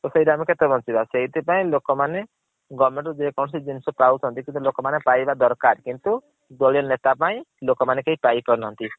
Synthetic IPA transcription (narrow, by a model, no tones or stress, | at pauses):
t̪ɔseiɾamiket̪ebʱɔnt͡ʃibaseɦit̪ipaĩlokɔmane | ɡɔɾmẽɳʈɔd͡ʒekɔñsid͡ʒinsɔpausɦɔnt̪ikint̪ulokɔmanepaibad̪ɔɾkaɾkint̪u | d̪olijɔnet̪apaĩlokɔmanekeɦipaipɔɾnɔɦɔnt̪i